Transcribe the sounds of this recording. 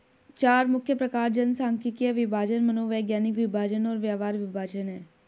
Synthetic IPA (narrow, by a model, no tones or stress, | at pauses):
t͡ʃaːɾmʊkʰjəpɾɐkaːɾd͡ʒənsaːŋkikiaʋɪbʱaːd͡ʒənmənoːʋɛːɡjaːnikʋɪbʱaːd͡ʒənɔːɾʋjaːʋaːɾʋɪbʱaːd͡ʒənɦɛː